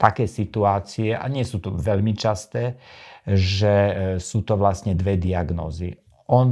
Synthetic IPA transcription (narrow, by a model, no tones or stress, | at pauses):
t̪akɛːsit̪uaːt͡siɛʔa̰ɲɪɛsuːt̪ɔʋɛʎmit͡ʃast̪ɛː | ʒɛsuːt̪ɔʋlasɲɛd̪ʋɛd̪iaɡnɔ̰ːzi | ɔn